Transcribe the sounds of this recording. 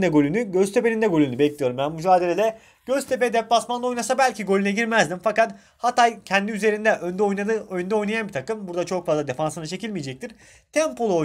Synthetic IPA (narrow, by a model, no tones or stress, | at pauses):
d̪ɛɡo̞lʲynyɟøzt̪ʰe̞pe̞nind̪ɛɡo̞lʲynybɛclʲijoɾumbænmyd͡ʒaːd̪elʲe̞lʲɛ | ɟ̥øzt̪ʰe̞p̬ɛd̪ɛplˠasmanˠo̞jnasabælʲciɡo̞lʲynɛɟiɾmæzd̪imfakat̪ | hat̪ajcʰɛnd̪iyze̞ɾind̪ɛʔønd̪ɛojnaɯojund̪ao̞jnajanbit̪ʰakɯmbuɾd̪at͡ʃʰo̞kfazlˠad̪efansɯnɯt͡ʃʰe̞cilʲmijed͡ʒɛc̚t̪ʰiɾ | t̪ʰɛmpo̞lˠuo